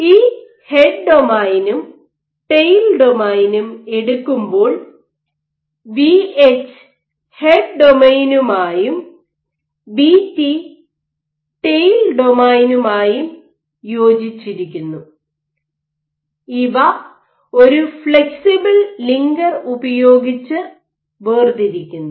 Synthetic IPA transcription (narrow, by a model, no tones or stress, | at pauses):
iː | heɖ̚ɖo̞maːjnum | ʈejlɖomaːjnume̞ɽukːumbo̞ːɭ | biet͡ɕː | heɖ̚ɖomejnumaːjum | biti | ʈejlɖo̞majnumaːjum | jo̞ːd͡ʑit͡ɕːiɾikʲːunːu | iʋɐ | o̞ɾufɭeksibɐlliŋɡɐrubɐjo̞ːɡit͡ɕːɨ | ʋeːrd̪iɾikʲːunːu